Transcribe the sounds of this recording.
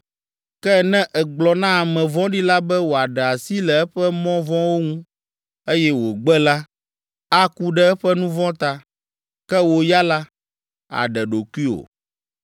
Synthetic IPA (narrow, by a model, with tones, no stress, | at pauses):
kɛ˦nɛ̃˦ʔɛ˨ɡ͡blɔ˨nã˦a˨mɛ̃˨vɔ̃˦ɖi˦la˦bɛ˦wo˨a˨ɖɛ˨a˨si˦lɛ˨ɛ˦ɸɛ˦mɔ̃˦vɔ̃˦wo˦ŋũ˦ | e˦jɛ˦wo˨ɡ͡bɛ˦la˦ | a˦ku˦ɖɛ˦ɛ˦ɸɛ˦nũ˦vɔ̃˦t̪a˨ | kɛ˦wo˨ja˦la˦ | a̰˨ɖɛ˨ɖo˨kwi˦o̰˨